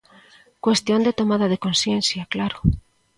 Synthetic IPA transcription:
kwest̪jond̪et̪omaðaðekonsjẽnθjaklaɾo

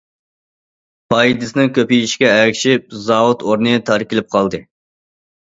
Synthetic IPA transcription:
bɑjid̪ɨsɨnɨŋkʲʰøpiiʃkʲɛːkʲʃɪp̚zɑwut̪oɾnɨt̪ʰɑɾkʲɪlɪp̚qʰɑlˠd̪ɨ

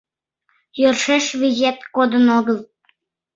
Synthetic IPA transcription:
jørʃeʃβizʲet̪kod̪ənod̪ə̆lˠt̪̚

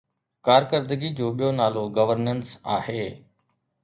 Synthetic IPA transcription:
kaːɾkəɾd̪əɡid͡ʑoːɓijoːnaːloɡɐʋəɾnənsaːheː

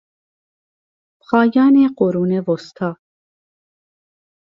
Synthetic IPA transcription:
pχɑːjɑːneqoɾuːnevost̪ʰɑː

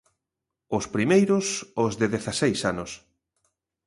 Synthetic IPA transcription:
ʊspɾimejɾʊsʊzðɪðeθasejsanʊs

